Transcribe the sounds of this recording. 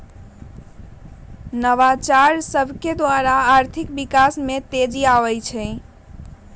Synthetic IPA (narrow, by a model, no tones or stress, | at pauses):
nəʋat͡ʃaɾsəbʱked̪waɾaːɾt̪ʰikbikasmet̪ed͡ʒiaʋəjt͡ʃʰɛ